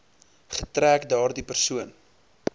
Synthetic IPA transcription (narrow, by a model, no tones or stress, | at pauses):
χətræːkdɑːrdipərsuən